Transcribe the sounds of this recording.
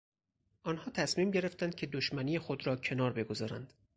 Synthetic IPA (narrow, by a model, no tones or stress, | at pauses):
ʔɒːnhɒːt̪ʰæsmiːmɟe̞ɾe̞ft̪ænd̪̥̚cʰe̞d̪oʃmæniːexod̪ɾɒːcʰe̞nɒːɾbe̞ɡo̞zɒːɾæ̰nd̪̥